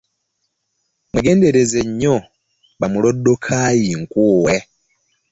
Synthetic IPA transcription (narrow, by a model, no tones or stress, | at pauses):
mwiɡe̞ːnde̞ɾe̞zeɲːo | βamulo̞dːokʰajiŋkuːwe